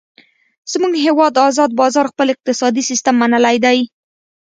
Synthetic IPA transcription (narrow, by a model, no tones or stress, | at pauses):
z̥muɡɦewɑd̪ɑzɑd̪̚bɑzɑɾxpəlɪq̚t̪ɪsɑd̪isist̪əmːanəlajd̪aj